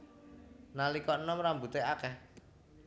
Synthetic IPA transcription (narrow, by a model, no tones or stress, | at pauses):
nalikɔnɔmrambut̪eakɛh